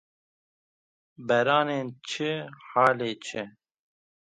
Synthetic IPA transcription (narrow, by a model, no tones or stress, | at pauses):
bɛɾɑːneːnt͡ʃʰɨhɑːleːt͡ʃʰɪ